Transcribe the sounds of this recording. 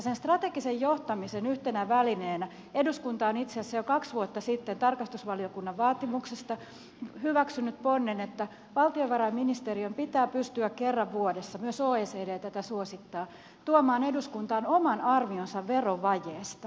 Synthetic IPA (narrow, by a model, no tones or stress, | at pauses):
senst̪rɑt̪eɡ̥isejjoht̪ɑmisenyht̪enæʋælineːnæ | e̞duskunt̪ɑonit̪seːsːæjokɑksʋuot̪ːɑsit̪ːent̪ɑrkɑst̪usʋɑliokunːɑʋʋɑːt̪imuksest̪ɑ | hyʋæksynːyt̪̚ponːenet̪ːæ | ʋɑlt̪ioʋʋɑɾɑjmːinist̪eɾiompit̪æːpyst̪yækkerːɑʋʋuodesːɑmyøsoːeːseːdeːt̪æt̪æsuosit̪ːɑː | t̪uomɑːne̞duskunt̪ɑːnomɑnɑrmionsɑʋːeroʋɑjeːst̪ɑ